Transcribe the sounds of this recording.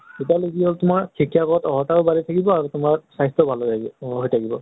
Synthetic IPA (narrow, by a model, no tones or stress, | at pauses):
etaleɡiɦoltʊmaɹkʰikʰiakɔɔtɔɦɔtaɹʊbaɹitʰakibɔaɹutʊmaɹsajstɔbʱaloɦojtʰakibɔ̰